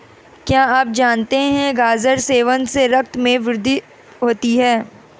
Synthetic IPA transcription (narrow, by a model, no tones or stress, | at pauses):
kjaːaːp̚d͡ʒaːnt̪eɦɛ̃ɡaːzəɾseːʋə̃nseɾɐk̚t̪mẽʋɪɾd̪ʱi | ɦoːt̪iɦɛː